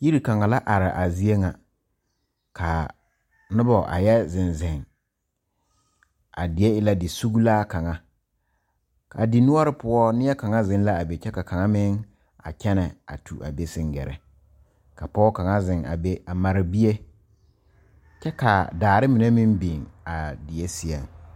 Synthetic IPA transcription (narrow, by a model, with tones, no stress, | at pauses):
ji˦ɾi˨ka˨ŋa˨la˦ʔa˨ɾɪ˨ʔa˨zi˦e˦ŋa˨ | ka˨ | nʊ˦bɔ˨ʔa̰˨jɛ˦zɪ˨nzɪ˨ŋ | a̰˨dɪ˨e˦ɪ˦la˦dɪ˨su˦ɡu˦laː˦ka˨ŋa˦ | ka̰˨di˨nʊ˦ɔ˦ɾɪ˦pʊ˦ɔ˦nɪ˦ɛ˦ka˨ŋa˦zɪ̃˦n˦la˦a˨be˨t͡ʃɛ˦ka˨ka˨ŋa˦mɪ˦ŋ | a̰˨kɛ˦nɛ˨a̰˨tʰu˨ʔa̰˨be˦sɪ̃˦ŋɡɛ̰˨ɾɛ̰˨ | ka˨pɔː˦ka˨ŋa˦zɪ˨ŋa̰˨be˦a˨ma˨ɾɪ˨bi˦e˦ | t͡ʃɛ˦ka˨daː˨ɾɪ˦mɪ˨ne˦mɪ̃˦mbi˨ŋa˨dɪ˨je˦si˦a˨ŋ